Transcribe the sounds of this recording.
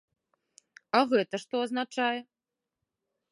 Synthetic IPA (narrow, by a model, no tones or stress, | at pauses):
aɣɛt̪ɐʂt̪ɔɐznat͡ʂajɛ